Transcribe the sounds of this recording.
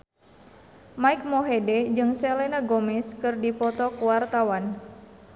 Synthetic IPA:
maik̚mɔɦedɛd͡ʒɨŋsɛlɛnaɡɔmɛskɨrdipɔt̪ɔkuwart̪awan

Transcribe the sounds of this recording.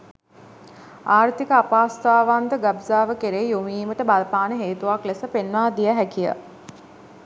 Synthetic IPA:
aːrt̪ikəapaːst̪aːʋand̪əɡabzaːʋəkeɾeːjomiːməʈəbalpaːnəɦeːt̪uʋaklesəpenʋaːd̪ijəɦækijə̰

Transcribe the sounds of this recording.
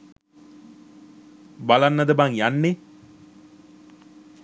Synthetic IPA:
balanːəd̪əbaŋjanːe

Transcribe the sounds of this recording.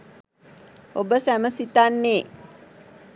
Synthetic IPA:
obəsæməsit̪anːeː

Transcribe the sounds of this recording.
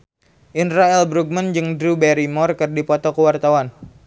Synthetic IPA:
ʔinɾaɛlbɾuɡ̚mənd͡ʒɨŋdɾubɛɾimɔrkɨrdipɔt̪ɔkəwart̪awan

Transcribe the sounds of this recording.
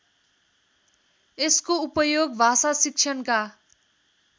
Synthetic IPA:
eskoupʌjoɡbʱasasik̚t͡ʃʰʌnka

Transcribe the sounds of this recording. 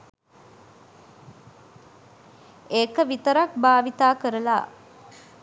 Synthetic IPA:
eːkəʋit̪əɾak̚baːʋit̪aːkəɾəla̰ː

